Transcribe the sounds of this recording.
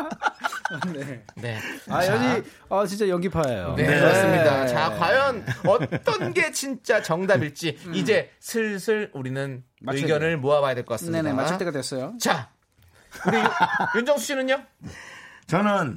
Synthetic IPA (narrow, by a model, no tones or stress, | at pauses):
nene̞aʌɲi | ʌt͡ɕint͡ɕ͈ajʌŋɡipʰajajo̰nekɯasɯmɲidat͡ɕakwajʌnʌt͈ʌnɡe̞t͡ɕint͡ɕ͈at͡ɕʌŋdabiɭt͡ɕ͈iːd͡ʑe̞ | sʰɯɭsʰɯɭuɾinɯn | ɯɡjʌnɯɭmoabajadweɭk͈ʌk͈asɯmnmenemaat̪͈eɡadwes͈ʌjot͡ɕa | uɾijund͡ʑʌŋsʰuɕinɯɲo | t͡ɕʌnɯn